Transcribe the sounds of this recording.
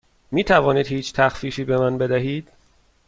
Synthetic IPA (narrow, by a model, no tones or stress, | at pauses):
miːt̪ʰævɒːniːd̪hiːt͡ʃʰt̪ʰæxfiːfiːbemænbe̞d̪æɦiːd̪̥